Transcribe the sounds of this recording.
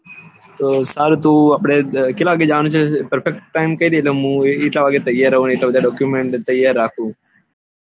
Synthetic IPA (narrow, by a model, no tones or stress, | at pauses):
saːɾt̪uːəpɽeːkɪlaːaːɡeːd͡ʒaːʋnuːt͡ʃʰepəɾfʰek̚ʈːaːɪmkəiːd̪iːlemũːiːʈaːʋaːɡeːt̪əjaːɾəɦuːniːʈaːʋəd̪aːɖɔːkjuːmẽːɳʈt̪əjaːɾːaːkʰũː